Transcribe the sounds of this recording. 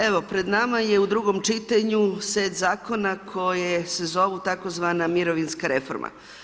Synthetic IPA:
eʋo̞pɾe̞d̪namajeud̪ɾuɡomt͡ʃit̪aɲuseːt̪zaːko̞nakʰo̞jesezo̞ʋut̪ako̞zʋanamiɾoʋinskaɾe̞foɾmʔa̰

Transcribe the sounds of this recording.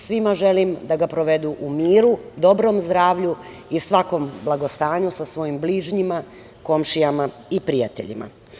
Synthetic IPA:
sʋimaʒelimd̪aɡapɾoʋe̞d̪uʔumiːɾud̪o̞bɾo̞mzd̪ɾaːʋʎu | isʋako̞mblˠaɡost̪aːɲusasʋo̞jimbliːʒɲima | ko̞mʃijama | ipɾijat̪ḛʎḭma̰

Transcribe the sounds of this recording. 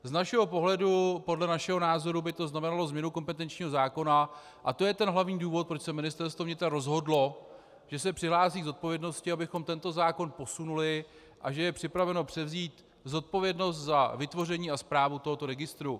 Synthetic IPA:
znaʃɛɦo̞po̞ɦlɛdupo̞dlɛnaʃɛɦo̞naːzo̞ɾubɪt̪o̞znamɛnalo̞zmɲɛnuko̞mpɛt̪ɛnt͡ʃɲiːɦo̞zaːko̞na | ʔat̪o̞jɛt̪ɛnɦlavɲiːduːvo̞t̪̚pɾo̞t͡ʃsɛmɪnɪst̪ɛɾst̪vo̞vɲɪt̪ɾaɾo̞zɦo̞dlo̞ | ʒ̥ɛsɛpr̥ɪɦlaːsiːɡzo̞t̪̚po̞vjɛdno̞scɪabɪxo̞mt̪ɛnt̪o̞zaːko̞npo̞sunulɪ | ʔaʒɛjɛpr̝̥ɪpɾavɛno̞pr̥ɛvziːt̪ | zo̞t̪̚po̞vjɛdno̞st̪zavɪt̪vo̞rɛɲiːaspɾaːvut̪o̞ɦo̞t̪o̞ɾɛɡɪst̪ɾu

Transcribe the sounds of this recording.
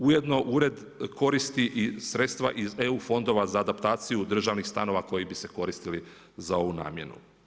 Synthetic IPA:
ujed̪no̞ʔuɾe̞d̪ | ko̞ɾist̪iʔisɾe̞t̪st̪ʋa̰ʔize̞ufo̞nd̪o̞ʋazaːd̪apt̪aːt̪sijud̪r̩ʒaʋnixst̪ano̞ʋako̞jibise̞ko̞ɾist̪ili | zao̞ʋuna̰ːmje̞̰nṵ

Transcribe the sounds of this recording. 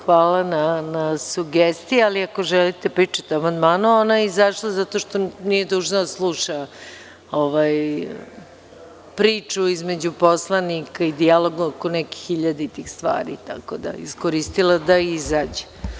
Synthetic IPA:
xʋaːlananasuɡest̪ijealiako̞ʒɛlit̪epɾiːt͡ʂḁt̪eamand̪maːnuonaeizaʂlˠazat̪o̞ʃt̪o̞nije̞d̪uʒnod̪aslˠuʃa | oʋaj | pɾiːt͡ʃuizme̞d͡ʑupo̞slˠanikaid̪ialo̞ɡaoko̞nɛki̥xiʎad̪eit̪iːxst̪ʋa̰ːɾḭt̪a̰kod̪a̰ḭskoɾist̪ilˠad̪aizaːd͡ʑe

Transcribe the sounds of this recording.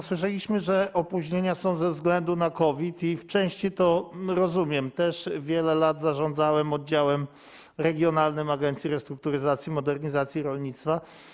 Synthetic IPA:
swɘʂ̬ɛlʲiɕmɘʐɛʔɔpuʑɲeɲasɔ̃w̃zɛvzɡlɛnd̪unakɔvʲit̪ift͡ʂɛ̃w̃ɕt͡ɕit̪ɔɾɔzumʲjɛmt̪ɛʂvʲjɛlɛlad̪zaʐɔ̃nd̪zawɛmɔd̪̚d͡ʑawɛm | ɾɛɡʲjɔnalnɘmaɡɛnsʲiɾɛst̪ɾuk̚t̪uɾɘzat̪sʲjimɔd̪ɛɾɲizat̪sʲjiɾɔlɲit̪st̪fa

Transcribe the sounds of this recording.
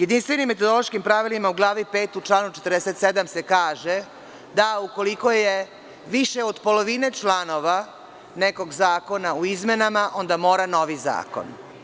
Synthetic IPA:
je̞d̪inst̪ʋenimːet̪od̪oloʃkimpɾaʋilimauɡlˠaːʋipe̞ːt̪ut͡ʃlˠaːnut͡ʃet̪ɾd̪eset̪sed̪amse̞kaːʒe | d̪auko̞liko̞je | ʋiʃeod̪po̞lo̞ʋine̞t͡ʃlano̞ʋa | neko̞ɡzaːko̞nauizme̞namaʔo̞nd̪amo̞ːɾano̞ʋiza̰ːko̰n

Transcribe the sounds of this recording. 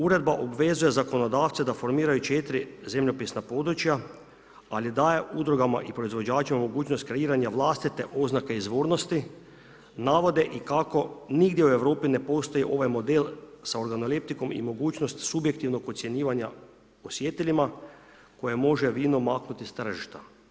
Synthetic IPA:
uɾe̞d̪̚baʔobʋe̞zuje̞zako̞nod̪aːt̪sed̪afo̞ɾmiːɾajut͡ʃet̪ɾize̞mʎopisnapo̞d̪ɾut͡ʃja | alid̪aːje̞ʔud̪ɾuɡama̰ʔipɾo̞izʋo̞d͡ʑaːt͡ʃimamo̞ɡuːt͡ʃno̞st̪̚kɾe̞iːɾaɲaʋlˠaːst̪it̪e̞ʔo̞znakeizʋoːɾnost̪i | naːʋo̞d̪e̞ʔikako̞niɡd̪jeue̞ʋɾoːpine̞po̞st̪ojiʔo̞ʋajmo̞d̪elsao̞ɾɡanolip̚t̪iko̞mḭmo̞ɡuːt͡ʃnost̪subje̞k̚t̪iʋno̞ɡo̞t̪sʲje̞ɲiːʋaɲa | osjet̪eʎima | ko̞je̞mo̞ʒeʋiːnomaːknut̪ist̪r̩ʒiʃt̪a

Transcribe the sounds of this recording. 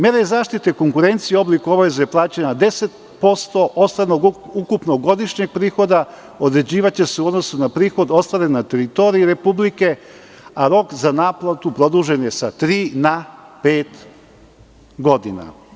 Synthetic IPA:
meɾezaːʃt̪it̪eko̞ŋkuɾent̪sijeo̞blˠikuoʋezejeplˠaːt͡ɕenad̪e̞se̞t̪̚ | po̞st̪o̞ʔost̪anoɡukupnoɡo̞d̪iʃɲeɡ̚pɾiːxo̞d̪a | od̪ɾe̞d͡ʑiːʋat͡ɕe̞seuod̪no̞sunapɾiːxo̞d̪o̞st̪ʋaɾenat̪e̞ɾit̪o̞ɾiːɾe̞publike | aɾo̞kzanaːplˠat̪upɾo̞d̪uʒenje̞sat̪ɾiːnapeːt̪ | ɡo̞d̪ina̰

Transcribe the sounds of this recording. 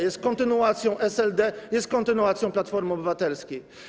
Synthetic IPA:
jɛst̪̚kɔ̃nt̪ɘnuat̪sʲjɔ̃w̃ʔɛsɛld̪ɛjɛst̪̚kɔnt̪ɘnuat̪sʲjɔ̃w̃plat̪fɔɾmɔbɘvat̪ɛlskʲi

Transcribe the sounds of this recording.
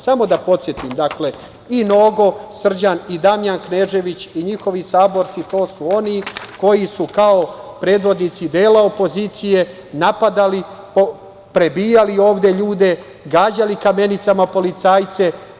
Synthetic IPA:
samo̞d̪apo̞t̪sjet̪imd̪akle̞ | ino̞ːɡo̞sr̩d͡ʑanid̪amjankne̞ːʒe̞ʋit͡ɕiɲixo̞ʋisaːbo̞ɾt̪sit̪o̞ːsuo̞niko̞jisukaopɾe̞ːd̪ʋo̞d̪nit̪sid̪eːlaopo̞ziːt̪sije̞ | napad̪ali | o | pɾe̞biːjalio̞ːʋd̪e̞ʎuːd̪e̞ | ɡaːd͡ʑalikame̞nit̪samapo̞lit̪saːjt̪se̞

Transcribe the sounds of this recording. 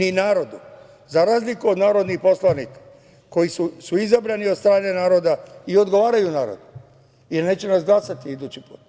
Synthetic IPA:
ninaːɾo̞d̪u | zaɾaːzlikuod̪naːɾo̞d̪nixpo̞slˠanikḁ | ko̞jisusuizabɾaniost̪ɾaːne̞naːɾo̞d̪aio̞d̪ɡo̞ʋaːɾajunaːɾo̰d̪u | jeɾne̞ːt͡ɕenasɡlˠasat̪iid̪ut͡ɕipṵːt̪

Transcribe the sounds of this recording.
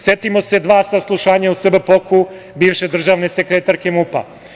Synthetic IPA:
sjet̪imo̞se̞d̪ʋaːsaslˠuʃaːɲausrbəpokʰu | biːʋʃe̞d̪r̩ʒaʋne̞sekɾet̪aɾke̞mupa̰

